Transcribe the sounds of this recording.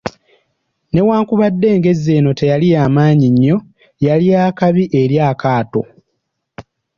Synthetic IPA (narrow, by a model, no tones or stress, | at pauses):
ne̞waːŋkuβadːe̞ːŋɡe̞ze̞ːno̞te̞jalijaːmaːɲiɲːo̞ | jaliaːkaβiʔe̞ɾjaːkaːto̞̰